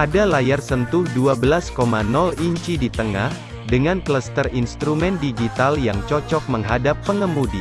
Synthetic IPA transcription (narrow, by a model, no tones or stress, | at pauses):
ʔadalajarsənt̪ʊhduabəlaskomanɔliɲt͡ʃidit̪əŋa̰h | dəŋankləst̪ərinst̪ɾumɛndiɡit̪aljaŋt͡ʃɔt͡ʃɔk̚məŋɦadapːəŋəmudi